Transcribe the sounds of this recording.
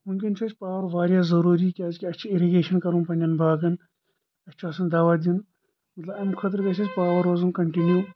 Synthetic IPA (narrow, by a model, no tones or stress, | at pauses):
munkʲint͡ʃʰɐt͡ʃʰʲpaːʋɐɾʋaːɾjaːzɐɾuːɾikʲaːzkʲiɐt͡ʃʰiiɾiɡeːʃɐnkɐɾũːnpɐnʲɐnbʱaːɡɐn | ɐt͡ʃʰaːsɐnd̪aːʋaːd̪in | mɐt̪lɐbɐmkʰɐt̪̬ɾkɐt͡ʃʰɐt͡ʃʲpaːʋɐɾoːzunkɐɳʈinjuː